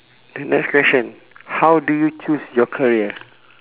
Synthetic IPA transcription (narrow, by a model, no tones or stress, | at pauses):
dənɛkskwɛʃɔ̃n | hawdujut͡ʃusjɔkʰaɹiə